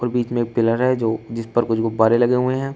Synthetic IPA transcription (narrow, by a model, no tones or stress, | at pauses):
ɔːɾbiːt͡ʃmẽeːk̚pɪləɾɦɛd͡ʒoːd͡ʒɪspɐɾkʊt͡ʃʰɡobaːɾelɐɡeɦʊeɦɛ̃ː